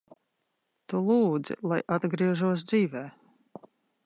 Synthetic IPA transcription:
t̪ulˠuːd̪zḭlˠajʔad̪ɡɾiɛʒuɔs̬d̪ziːvɛː

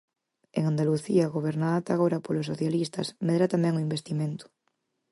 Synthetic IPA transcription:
eŋand̪aluθiaɣoβ̞eɾnaðat̪aɣoɾapolosoθjalist̪a̰smeðɾat̪amɛ̃ŋuimbest̪imẽnt̪u̥

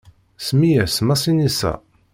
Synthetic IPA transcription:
smijæsmæsˤinisæ̰

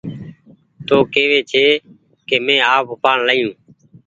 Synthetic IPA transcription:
t̪oːkeːʋeːt͡ʃʰeː | keːmẽːaːpʊpaːɳlːiũː

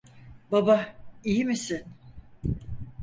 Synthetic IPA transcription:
babaijimisɪn

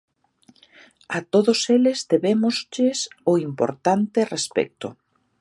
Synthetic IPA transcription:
at̪oðoselɪzd̪eβemʊzʎɪsoimpo̰ɾt̪ant̪ɪrespɛ̰k̚t̪o̰

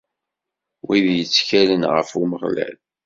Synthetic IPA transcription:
wiðjət͡sːçælənʁə̰fuməʁlæ̰l

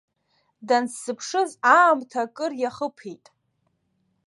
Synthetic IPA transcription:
danssɨpʰʂɨzaːmtʰakʼɨrjaχəpʰejtʼ

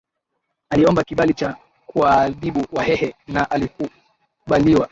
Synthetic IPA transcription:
aliɔmbakiɓalit͡ʃa | kuaɗiɓuwahɛhɛnaʔaliku | ɓaliwa

